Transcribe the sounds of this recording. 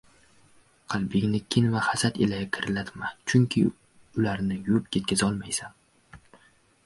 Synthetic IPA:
qʰɑlˠbɪŋʲnɪkʲʰɪnvahasat̪elajkʲʰɪɾlat̪mat͡ʃʰʊŋkʲʰɪ | ʊlaɾnɪjʊpjʲet̪̚kʲʰazɒlˠmajsan

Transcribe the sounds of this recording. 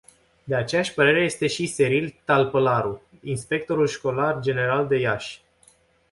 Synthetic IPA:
d̪e̞at͡ʃe̞jaʃʲpəɾe̞ɾe̞je̞st̪e̞ʃise̞ɾilt̪alpəlaɾu | inspe̞k̚t̪o̞ɾulʃko̞lard͡ʒe̞ne̞ɾald̪e̞jaʃʲ

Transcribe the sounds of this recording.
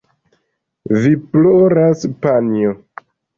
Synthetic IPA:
viploɾaspanijo

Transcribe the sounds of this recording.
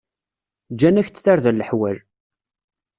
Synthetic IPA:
d͡ʒːænæçt͡sθaɾðælːəħwæl

